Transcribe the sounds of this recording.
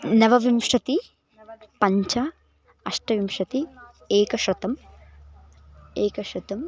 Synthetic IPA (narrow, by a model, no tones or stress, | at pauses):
nɐʋɐʋimʂɐt̪i | pɐɲt͡ʃɐ | ɐʂʈɐʋimʂɐt̪i | eːkɐʃɾɐt̪ɐm | eːkɐʃɾɐt̪ɐm